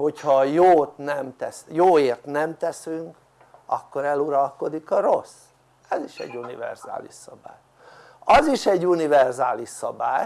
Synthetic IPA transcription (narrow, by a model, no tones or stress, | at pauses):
ho̞chɒjoːt̪nɛmt̪ɛsjoːeːrt̪nɛmt̪ɛsyŋk | ɒ̰kːoɾɛluɾɒlko̞d̪ikɒɾo̞s | ɛziʃɛ̰ɟːunivɛ̰rz̥a̰ːlḭʃsɒba̰ːj | ɒziʃɛɟːunivɛrzaːliʃsɒbaːj